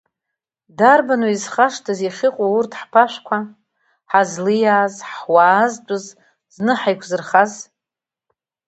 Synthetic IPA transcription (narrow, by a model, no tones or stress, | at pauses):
darbanwuizχaʂtʰaziχʲɪqʼourtʰħpʰaʃʷkʷʰa | ħazlɨjaːzħwaːzdʷʼʊz | znɨħajkʷʰzɨrχaz